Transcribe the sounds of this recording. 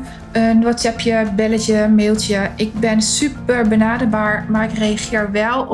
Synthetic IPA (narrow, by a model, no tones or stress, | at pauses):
ənɔtsɛpʰjəbɪlətjəmɪːlˠtjəɪk̚bɪnsypəɹbənaːdərbaːɹmaɪkreaxɪːəɹʋɛlˠ